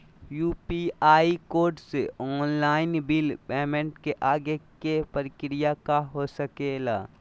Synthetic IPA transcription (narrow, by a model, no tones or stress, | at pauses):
juːpiaːikoːɾɖseɔːnlaːɪnbɪlpɛːmẽɳʈkeʔaːɡekepəɾɪkɾɪjakaɦosəkelaː